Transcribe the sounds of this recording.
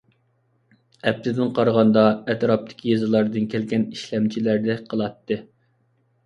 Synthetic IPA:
ɛp̚t̪ʰɪd̪ɪnqʰɑɾʁɑnd̪ɑɛt̪ɾɑp̚t̪ʰɪ̥kʲʰijezɨlˠɑɾd̪ɨnkʲʰɛlɡʲɛniʃlɛmt͡ʃʰilæɾd̪ɛqʰəlˠɑt̪ːɨ

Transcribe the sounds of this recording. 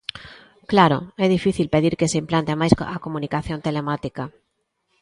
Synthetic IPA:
klaɾo̰ɛðifiθilpeðiɾkeseimplant̪emajsakomunikaθjont̪elemat̪ika

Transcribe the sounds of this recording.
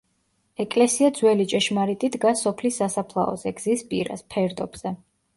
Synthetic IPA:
ɛkʼlɛsiad̪zwɛlit͡ʃʼɛʃmaɾit̪ʼid̪ɡasɔpʰlisːasapʰlˠa̰ɔ̰zɛɡzispʼḭɾa̰spʰɛɾd̪ɔbz̥ɛ

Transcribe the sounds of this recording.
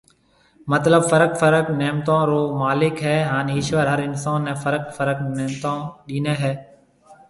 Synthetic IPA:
mət̪ləbfəɾəkfəɾəknɛːmt̪ãːɾoːmaːlɪkɦɛːɦaːnːɪʃʋəɾɦəɾɪnsaːnːẽːfəɾəkfəɾəknɛːmt̪ãːɗiːneːɦɛː

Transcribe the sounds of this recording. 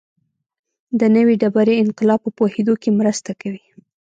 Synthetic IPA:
d̪ənəwiɖabaɾeɪnqɪlɑpːəpohed̪okemɾəst̪akawi

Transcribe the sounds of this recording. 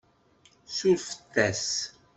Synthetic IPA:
suɾfə̥t̪ːæs

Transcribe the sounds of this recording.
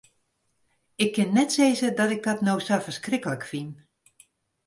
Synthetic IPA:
ɪkʰːɪnːɛtseːzədɔtɪk̚dɔtnowsafərskrɪkələkfin

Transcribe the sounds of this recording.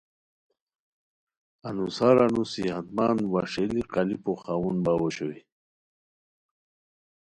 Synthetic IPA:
anusaɾanusihat̪maːnwaʂeliqalipoxawunbawoɕowi

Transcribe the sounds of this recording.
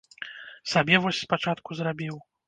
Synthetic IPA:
sabʲɛvɔsʲspat͡ʂat̪kuzɾabʲiw

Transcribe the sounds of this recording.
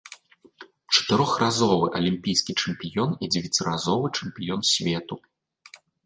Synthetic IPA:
t͡ʂɐ̥t̪ɨɾɔxrazɔvɨʔɐlʲimʲpʲijskʲit͡ʂɛmpʲijɔnid͡zʲɛvʲɛt͡sʲiɾazɔvɨt͡ʂɛmpʲijɔnsʲvʲɛt̪u

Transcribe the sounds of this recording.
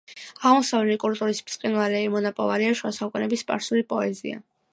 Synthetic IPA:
aʁmɔsavlɛlikʼult̪ʼuɾismt̪sʼqʼinvalɛɛmɔnapʼɔ̰vaɾiaʃuasaukʼunɛbispʼa̰ɾsulipʼɔɛzḭa̰

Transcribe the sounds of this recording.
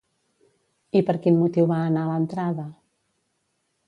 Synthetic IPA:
ipəɾkinmut̪iwβaːnalənt̪ɾaðə

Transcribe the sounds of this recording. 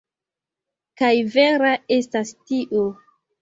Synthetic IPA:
kajve̞ɾae̞stastiʔo

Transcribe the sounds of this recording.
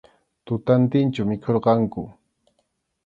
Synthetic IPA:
t̪ʊt̪ant̪ɪnt͡ʃamɪkʰoɾqɑŋkʊ

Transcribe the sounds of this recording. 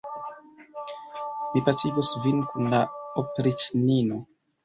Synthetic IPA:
mipasiɡusvinkunlaopɾit͡ʃnino

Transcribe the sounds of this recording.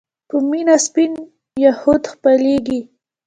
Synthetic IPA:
pəminaspin | jahʊd̪xpaleɡi

